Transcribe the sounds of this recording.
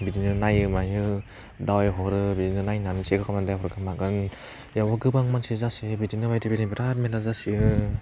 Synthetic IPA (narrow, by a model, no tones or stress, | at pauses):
bidinɯnajɯmajɯ | daweɦɔɾɯbidinɯnajnanɯseɡɯkʰamnadajɦɔɾɡɯmaɡɯn | jawɔɡɯbaŋmansizasiɯbidinɯbajtʰibiɾibiɾat̚melazasiɯ